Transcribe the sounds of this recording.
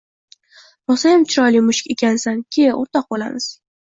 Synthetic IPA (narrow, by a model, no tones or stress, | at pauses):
ɾɒsajamt͡ʃʰɪɾɒjlimʊʃɪ̥kʲe̞kʲʰansankʲʰɪo̰ɾt̪ɒq̚bola̰mɪz̥